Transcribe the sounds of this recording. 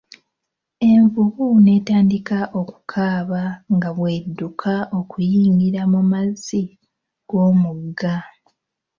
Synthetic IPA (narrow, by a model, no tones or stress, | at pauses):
e̞ɱvuβune̞ːtaːndikaʔo̞ku̥kʰaːβaŋɡaβwe̞ːdːukʰaʔo̞kujiːŋɡiɾamumazi | ɡ̥o̞ːmuɡa